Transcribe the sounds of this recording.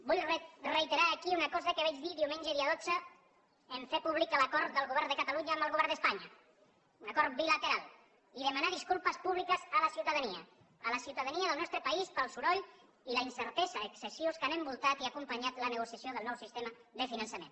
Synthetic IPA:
bujrreit̪eɾaːkiunakɔzəkəβɛd͡ʒðiðiwmeɲʒəðiəðod͡zə | əɱfepuβlikələkɔɾt̪ðəlˠɣuβɛɾnðəkat̪aluɲaːməlˠɣuβɛɾd̪əspaɲɐ | unakɔɾt̪̚bilət̪eɾalˠ | iðəmanaðiskulˠpəspuβlikəzələsiuwt̪aðaniə | ələsiwt̪aðaniəðəlnɔst̪ɾəpaispəlˠsuɾɔʎ | ilainsəɾt̪ɛzəðəksəsioskanəmbulˠt̪at̪iakumpəɲat̪lənəɣ̞usjasjoðəlˠnɔwsist̪eməðəfinənsəmḛ̃n

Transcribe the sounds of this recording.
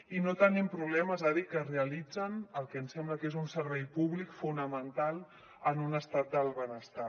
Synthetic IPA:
inot̪ənɛmpɾuβlɛməzaðikəreəlid͡zənəlˠkɛənsɛmbləkezunsəɾβɛjpuβlikfunəmənt̪alˠ | ənunəst̪at̪̚d̪əlˠβənəst̪a

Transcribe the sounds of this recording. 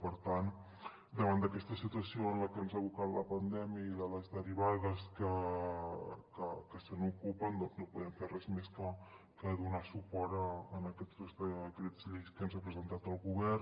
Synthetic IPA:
pəɾt̪an | d̪əβand̪əkɛst̪əsit̪uəsioənləkɛnzaβukat̪ləpənd̪ɛmjəiðələzðəɾiβaðəskə | kəkəsənukupənd̪ɔnznopuðɛmferɛzmeskə | kəðunasupɔɾəːnəkɛzt̪uzðəkɾɛzʎejskɛmzapɾəzənt̪at̪əlˠɣuβɛr

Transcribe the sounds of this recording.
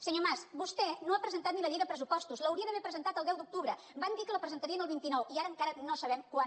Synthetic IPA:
səɲomasbust̪ɛnoapɾəzənt̪at̪̚niləðiðəpɾəs̬upɔst̪uzləwɾiəðəβɛɾpɾəzənt̪at̪əlˠd̪ɛwd̪uk̚t̪uβɾə | band̪ikələpɾəzənt̪əɾiənəlˠβint̪inɔwiaɾəːŋkaɾənosəβɛmkwa

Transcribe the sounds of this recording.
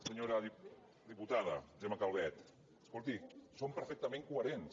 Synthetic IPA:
səɲoɾəði | d̪iput̪aðə̰ʒemakalˠβɛt̪ | əskolˠt̪isompəɾfɛk̚t̪əmẽŋkuəɾens

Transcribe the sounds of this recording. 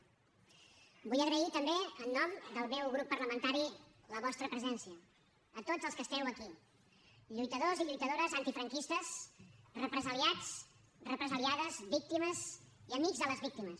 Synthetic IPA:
bujəɣɾəit̪əmbeənːɔmd̪əlˠmɛwɣɾupːərləmənt̪aɾi | ləβɔst̪ɾəpɾəzɛnsiəː | t̪od͡zəlˠskəst̪ɛwəki | ʎujt̪əðoziʎujt̪əðoɾəzənt̪ifɾəŋkist̪əsrəpɾəzəliat͡s | rəpɾəzəliaðəzbik̚t̪iməziəmiɡzðələzβik̚t̪iməs

